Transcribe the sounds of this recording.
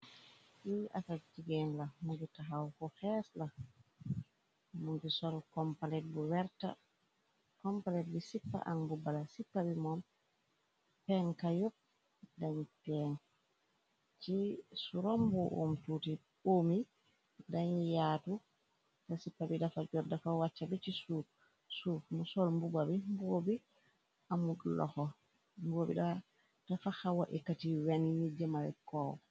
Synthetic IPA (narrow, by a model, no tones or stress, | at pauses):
ʔiʔa̰kad͡ʒiɡɛnlamud͡ʒutːaɦawkɔhɛsla | munbisɔlkɔmpalɛt̚buwɛɾta̰ | kɔmpalɛtbisipːa̰ʔaŋbubalasipːabimɔm | pɛŋkajɔb̚ | daɲpɛn | t͡ʃisuɾɔmbuʔo̰mtuti | omi | daɲjatu | tasipːabidafad͡ʒɔdafawat͡ʃːabɛt͡ʃisu | sufmusɔlmbubabimbobi | ʔamuɗlɔ̰hɔ | mbobḭɗa | d̥afahawaʔikːatiwaninid͡ʒɛmawɛ̰kɔwɔ̰